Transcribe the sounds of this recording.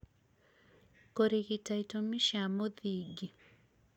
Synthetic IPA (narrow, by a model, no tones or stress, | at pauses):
koɾiɣitaitomiʃamoðiɡi